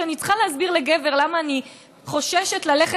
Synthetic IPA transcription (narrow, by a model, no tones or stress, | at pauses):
anit͡sχalehazbiʁleɡeve̞ʁlamaːni | χo̞ʃeʃetlaleχe